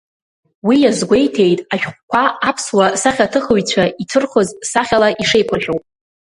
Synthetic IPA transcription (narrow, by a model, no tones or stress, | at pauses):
wijazɡʷe̞jtʰe̞jtʼaʃᶣχʷkʷʰaapʰswasaχʲatʰɨχəɥt͡ɕʷʰaʔitʰɨrχozsaχʲalaʔiʂe̞jkʷʰaʒʲᶣowpʼ